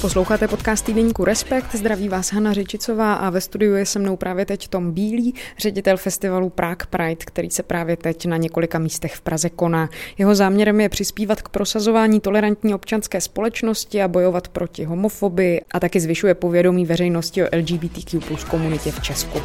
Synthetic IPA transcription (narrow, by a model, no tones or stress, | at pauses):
po̞slowxaːt̪ɛpo̞t̪kaːst̪idɛɲiːkuɾɛspɛkt̪zd̪ɾaviːvaːsɦanarɛt͡ʃɪt͡so̞vaːʔavɛst̪udɪjujɛsɛmno̞wpɾʔaːvjɛt̪ɛcft̪o̞mbiːliːr̝ɛɟɪt̪ɛlfɛst̪ɪvalupɾʔakpɾajt̪kt̪ɛɾḭːsɛpɾaːvjɛt̪ɛcnaɲɛko̞lɪkamiːst̪ɛxfpɾʔazɛko̞naːjɛɦo̞zaːmɲɛɾɛmjɛpr̝̥ɪspiːvat̪kpɾʔo̞sazo̞vaːɲiːt̪o̞lɛɾant̪ɲiːo̞pt͡ʃanskɛːspo̞lɛt͡ʃno̞scɪabo̞jo̞vat̪pɾʔo̞cɪɦo̞mo̞fo̞bɪjɪʔat̪akɪzvɪʃujɛpo̞vjɛdo̞miːvɛɾɛjno̞scɪoʔɛld͡ʒiːbiːt̪iːkjuplusko̞munɪcɛft͡ʃɛsku